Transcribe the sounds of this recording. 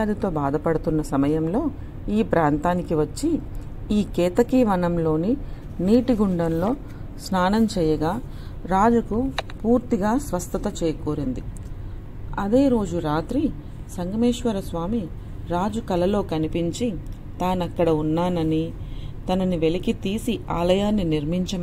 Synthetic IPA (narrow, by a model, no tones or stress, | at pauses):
aːd̪it̪o̞ːbaːd̪ɐpɐɽut̪unːɐsɐmɐjɐmlo̞ː | iːpɾaːnt̪aːnikiʋɐt͡ʃːi | iːkɛːt̪ɐkiːʋɐnɐmlo̞ːni | niːʈiɡuɳɖɐnlo̞ː | snaːnɐmt͡ʃɛːjɐɡaː | ɾaːd͡ʒukupuːɾt̪iɡaːsʋɐst̪ʰɐt̪ɐt͡ʃɛːjɐkoːɾind̪i | ɐd̪e̞ːɾo̞ːd͡ʒuɾaːt̪ɾi | sɐŋɡɐmeːʂʋɐɾɐsʋaːmi | ɾaːd͡ʒukɐlɐlo̞ːkɐnipiɲt͡ʃi | t̪aːnɐkːɐɽɐunːaːnɐnit̪ɐnɐniʋe̞likit̪iːsiaːlɐjaːnːiniɾmiɲt͡ʃɐm